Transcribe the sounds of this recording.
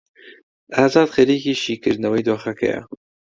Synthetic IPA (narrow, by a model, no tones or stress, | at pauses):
ɑːzɑːd̪xeɾiːkiːʃiːkɨɾnɐwejd̪oːxɛkʰɛ̰ja̰